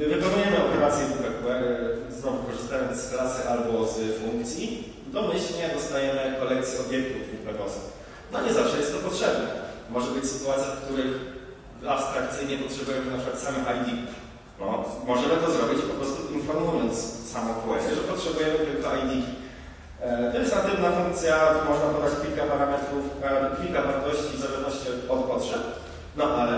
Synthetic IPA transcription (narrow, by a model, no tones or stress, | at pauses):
vɘpɔmujɛmɘɔpɛɾvat̪sʲjɛukɾakuwɛɾznɔvukɔʐɨst̪aj̪sklasɨʔalbɔzfuŋkt̪sʲji | d̪ɔmɘɕlɲɛd̪ɔst̪ajɛmɘkɔlɛk̚t̪sʲjiɔbʲjɛkt̪ufupɛvɔsux | naɲɛzafʂɛjɛst̪ːɔpɔtʂɛbnɛmɔʐɛbɘt͡ɕsɘ̥t̪uat̪sʲjak̚t̪uɾɘx | apst̪ɾak̚t̪sɘjɲɛpɔtʂɛbujɛmɘnapʂɨkwat̪samɘxajd̪ʲikuf | nɔ̰mɔʐɛmɘt̪ɔzɾɔbʲit͡ɕipɔpɾɔst̪uʔinfɔɾmujɔnt̪ssamɔ̃pɔwɛsʐɛpɔtʂɛbujɛmɨt̪ɛkɔajd̪ʲikʲi | vɛjɛsnat̪ɛmnafuŋk̚t̪sʲjamɔʐnap̪ɔd̪at͡ɕkʲilkapaɾamɛt̪ɾufabkʲilkavaɾt̪ɔɕt͡ɕivzavanɔɕt͡ɕɛɔt̪̚pɔtʂɛp | nɔʔalɛ